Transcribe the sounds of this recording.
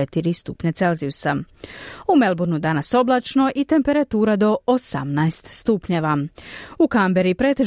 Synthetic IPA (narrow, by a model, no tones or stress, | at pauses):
et̪iɾist̪upɲat̪se̞lziusa | ume̞lˠbuɾnud̪anaso̞blat͡ʃno̞ʔit̪e̞mpe̞ɾat̪uːɾad̪o̞osa̰mnaest̪st̪upɲeʋaukambe̞ɾipɾe̞ːt̪e